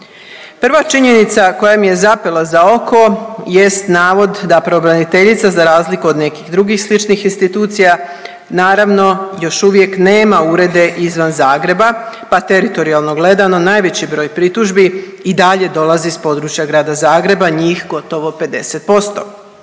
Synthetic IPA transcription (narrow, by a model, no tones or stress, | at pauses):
pr̩ʋat͡ʃiɲe̞nit̪sako̞jamije̞zapelˠazao̞ko̞je̞st̪naːʋo̞d̪d̪apɾobɾanit̪e̞ʎit̪sazaɾaːzlikuod̪ne̞kixd̪ɾuɡixslit͡ʃnixinst̪it̪uːt̪sija | naːɾaʋno̞jo̞ʃuʋje̞kneːmauɾe̞d̪e̞ʔizʋanzaːɡɾe̞bapat̪e̞ɾit̪o̞ɾialˠno̞ɡle̞d̪ano̞naːjʋe̞t͡ɕibɾo̞ːjpɾit̪uʒbi | id̪aʎe̞d̪o̞lˠazispo̞d̪ɾut͡ʃjaɡɾaːd̪azaːɡɾe̞baɲiːxɡo̞t̪o̞ʋo̞pe̞d̪e̞set̪̚po̞st̪o̞̰